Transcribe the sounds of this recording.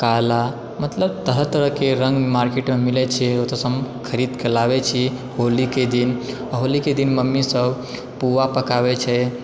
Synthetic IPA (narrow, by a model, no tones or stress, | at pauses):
kala | mət̪ləb̚t̪əɾət̪əɾəkeɾə̃ŋɡmaɾkeʈmemilɛt͡ʃʰɛot̪əsəmkʰəɾid̪kelaβɛt͡ʃʰi | holiked̪in | ɦoliked̪inməmːisəb | puʋapəkaβɛt͡ʃʰɛ